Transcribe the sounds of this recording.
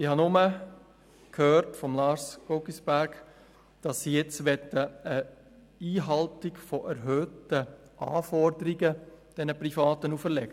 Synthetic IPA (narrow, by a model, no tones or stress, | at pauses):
ɪhɑnʊmə | kʰhøːɾtfɔmlɑːɾsɡ̥ɔɡisb̥æɾɡ̥ | d̥ɑsːijɛt͡sʋɛtːəə | iːɦɑltɪɡfɔʔɛɾɦøːtə | ʔɑ̰ːfɔɾdəɾiɡəd̥ɛnəprifɑːtənufəɾlɛɡ̥ə